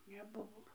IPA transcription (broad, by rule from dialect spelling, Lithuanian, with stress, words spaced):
nʲɛˈbʊʋoː